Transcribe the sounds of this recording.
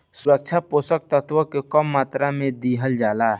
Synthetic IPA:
suɾək̚t͡ʃʰaposək̚t̪ət̪ʰʋəkekəmːat̪ɾamed̪iɦəld͡ʒala

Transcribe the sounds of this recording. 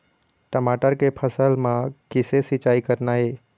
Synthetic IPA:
ʈəmaʈəɾkepʰəsəlmãkɪsesɪt͡ʃaːikəɾnaɦeː

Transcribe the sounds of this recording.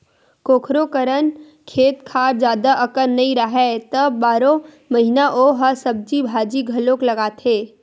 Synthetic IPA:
koːkʰɾokəɾən | kʰeːt̪kʰaːɾd͡ʒjaːd̪aʔɐkəɾnɐɦĩɾaɦɛːt̪ɐbːaːɾõ | mɐɦɪnaʔoɦɐsɐb̚d͡ʒibʱaːd͡ʒiɡʱɐlõklɐɡaːt̪ʰeː

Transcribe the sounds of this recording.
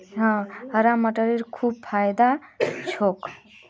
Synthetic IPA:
ɦʌ̃ɦʌɾamːəʈəɾeɾkʰub̚pʰajd̪at͡ʃʰok

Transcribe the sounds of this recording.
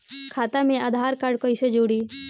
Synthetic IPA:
kʰaːt̪amẽaːd̪ʱaːɾkəɾɖkoɪsed͡ʒoːɽiː

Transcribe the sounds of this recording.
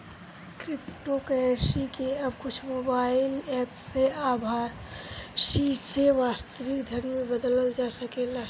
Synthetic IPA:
kɾɪpʈokəɾsikeɐbkʊt͡ʃʰmoːbaːɪlɛːpseaːbʱa | ʃiseʋaːst̪əʋɪkd̪ʱənmẽbəd̪ələld͡ʒaːsəkela

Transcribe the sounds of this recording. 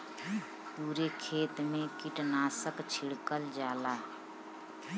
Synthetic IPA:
puːɾekʰeːt̪mẽkɪʈnaːsəkt͡ʃʰɪɽkəld͡ʒaːlaː

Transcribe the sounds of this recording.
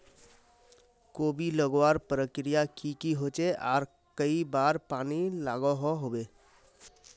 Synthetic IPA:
kobʱiləɡwaɾpɾəkɾijakikiɦot͡ʃeʔaɾ | kəibaɾpanilaɡɔɦɔɦobe

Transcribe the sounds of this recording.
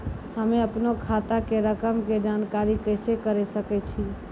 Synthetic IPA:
həmeəpnokʰat̪akeɾəkəmked͡ʒankaɾikəɪsekəɾesəkɛt͡ʃʰi

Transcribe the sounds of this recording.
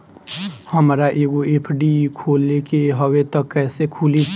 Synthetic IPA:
həmɾaʔeːɡoeːpʰɖikʰoːlekeɦəwet̪əkːɛːsekʰuːli

